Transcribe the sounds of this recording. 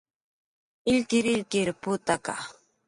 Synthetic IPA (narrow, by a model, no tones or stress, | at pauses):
ɪʎkɪɾɪʎkɪɾpʊt̪aka̰